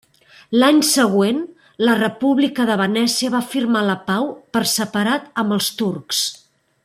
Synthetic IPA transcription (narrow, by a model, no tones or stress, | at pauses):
laɲsəɣwen | lərəpuβlikəðəβənɛsiəβafirmaləpawpəɾsəpəɾat̪əmbəlˠst̪urks